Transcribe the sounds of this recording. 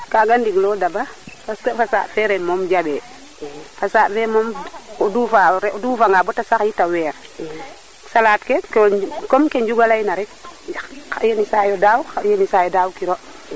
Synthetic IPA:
kaɡandiɡlɔdabafaskɛfasa̰ːʔfɛɾɛmɔmɟabɛ | fasaːʔfɛmɔmɔduːfaɾɛɔduːfaŋɡabɔtasaxjitawɛːɾ | salaːtkɛkkɔmkeɲɟuɡalajnaɾɛk̚jaajenisajɔdaːwxajenisajɔdawkiɾɔʔ

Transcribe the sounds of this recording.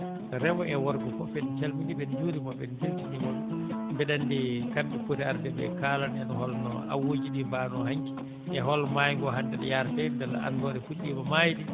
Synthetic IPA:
tɔɾɛbɔɛwɔɾɡufɔfɛnt͡ʃalmiɗiɓɛnd͡ʒuɾimɔɓɛnd͡ʒultiɗimɔlmbɛɗandɛkanɗɛpotiaɾtɛbɛ̰kalanɛnɔhɔlnɔ̰ | a̰wod͡ʒiɗimbanɔhaŋki | ʔɛɦɔlmajŋɡɔɦandɛɗɛ̰jaɾtɛdɛlːa̰ʔa̰ndɔɗɛfuɗːimɔmajɗi

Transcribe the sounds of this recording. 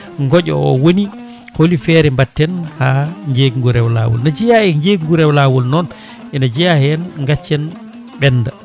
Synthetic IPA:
ŋɡɔɟɔ̰ɔ̰woni | holifɛɾɛmbatːɛnhaɲd͡ʒeɡŋɡuɾɛwla̰ːwɔ̰lnad͡ʒijahɛɲd͡ʒeɡŋɡuɾɛwlaːwɔlnɔn | ɛnad͡ʒijahɛnŋɡat͡ʃːɛn | ɓɛnːda

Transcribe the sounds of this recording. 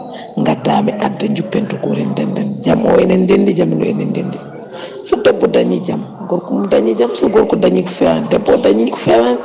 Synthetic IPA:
ŋɡatːaːmɛʔadːaɲd͡ʒupːɛntuɡɔɾɛndɛndɛnd͡ʒamɔ̰ɛnɛndendid͡ʒamlɔ̰ɛnɛndendi | sɔdɛbːɔdaɲid͡ʒam | ɡɔɾkumdaɲid͡ʒamsɔɡɔɾkɔdaɲikfɛwandɛbːɔdaɲikfɛwan

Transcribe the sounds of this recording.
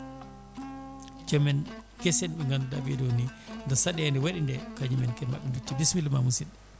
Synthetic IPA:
t͡ʃɔmɛn | kɛsɛnɓɛŋɡanda̰bidonindasaɗɛandɛwaɗindɛkaɲimɛnkɛma̰ɓɛndut͡ʃːidismilmamusin

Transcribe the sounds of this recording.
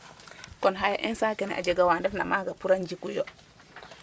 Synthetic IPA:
kɔnɦaja̰ʔɛnsaːkɛnɛ̰ʔa̰d͡ʒeɡawandɛfna̰maɡapuɾand͡ʒikujo

